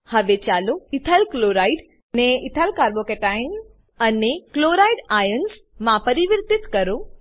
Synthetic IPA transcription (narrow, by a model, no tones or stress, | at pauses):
hɐʋet͡ɕaːloɪt̪ʰalkloːɾaːiɖ | nẽɪt̪ʰalkaːɾbokeːʈaːɪn | ɐnekloːɾaːiɖaːjənsmãpɐɾiʋəɾt̪ɪt̪kɐɾo